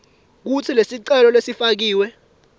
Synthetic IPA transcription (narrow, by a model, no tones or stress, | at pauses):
k̬ut͡sʰilesiǀɛlɔlwesifak̬iːwɛ